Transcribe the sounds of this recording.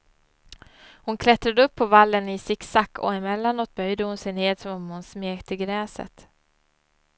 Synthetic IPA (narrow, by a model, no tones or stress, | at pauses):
hʊnkʰlɛt̪ɾad̪əɵpʰːɔvalːənɪsɪksakːɔ̰ɛmɛlːanoːt̪̚bœjd̪əhʊnsɛjneːd̪sɔmɔmhʊnsmeːkt̪əɡɾɛːsə̰t̪